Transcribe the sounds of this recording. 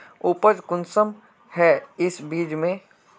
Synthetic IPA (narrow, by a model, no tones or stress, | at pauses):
uːpəd͡ʒkʊnsəm | hɛɪsbiːd͡ʒmẽ